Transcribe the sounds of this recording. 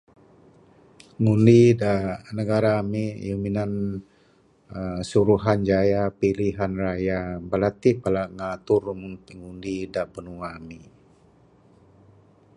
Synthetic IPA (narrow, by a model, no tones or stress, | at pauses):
ŋundidaʔnəɡaɾamijuminan | suɾuɦand͡ʒajapiliɦanrajabəlat̪ipalaʔŋat̪urŋunŋundidaʔpənuŋami